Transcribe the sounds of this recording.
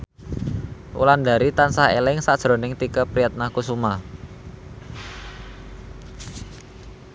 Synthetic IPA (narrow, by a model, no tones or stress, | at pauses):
ʔṵland̪a̤ɾit̪ansahḛlɪŋsaʔʒ̥ɾo̤nɪŋt̪ikəpɾijat̪̚nakusuma